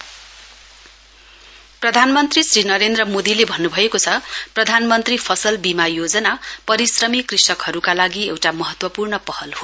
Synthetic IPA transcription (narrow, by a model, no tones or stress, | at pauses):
prʌd̪ʱanmʌnt̪risrinʌɾend̪rʌmod̪ilebʱʌnːubʱʌekot͡sʰʌprʌd̪ʱanmʌnt̪ripʰʌsʌlbimajod͡zʌnapʌɾisrʌmikrisʌkɦʌɾukalaɡiewʈamʌɦʌt̪wʌpurnʌpʌhʌlho